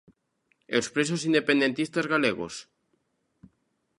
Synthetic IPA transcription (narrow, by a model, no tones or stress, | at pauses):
ewspɾesosind̪epẽnd̪ent̪ist̪azɣaleɣo̰s